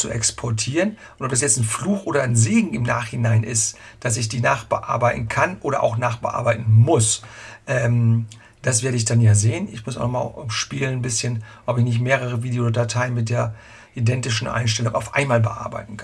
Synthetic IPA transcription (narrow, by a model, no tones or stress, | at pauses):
t͡suʔɛ̰kspʰɔɐtʰiːʁən | ʔʊntɔpd̥asjɛt͡sn̩fluːxʔoːdɐnzeːɡŋ̩ɪmna̰ːχhɪnaɪnʔɪst | d̥asɪçd̥iːnaːχb̥ə̰ʔa̰ɐbaɪtn̩kʰanʔoːɾɐʔa̰ʊxnaːχb̥ə̰ʔa̰ɐbaɪtn̩mʊsʔɛːm | d̥as̬v̥eːɐɾəɪçd̥anjaːzeːənɪçmʊs̬ʔa̰ʊnɔmaːʔʊmʃpiːlənbɪsçənʔɔpɪçnɪçtmeːʁ̞əʁ̞əviːdejodatʰaɪənmɪt̚d̥eːɐ | ʔidɛntɪʃn̩ʔa̰ɪnʃtɛlʊŋa̰ʊfʔa̰ɪnmaːlbəʔa̰ɐba̰ɪtn̩kʰan